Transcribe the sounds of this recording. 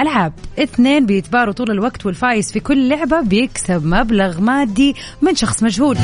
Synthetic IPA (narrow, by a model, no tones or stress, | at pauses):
ʔalʕabʔɪθneːnbɪjɪt̪bɑːɾˤut̪ˤuːlalwaɡt̪wɪlfaːjɪsfikʊlːʊʕbabɪjɪksabmablaɣmaːd̪ːi | mɪnʃɑxsˤmad͡ʒhuːl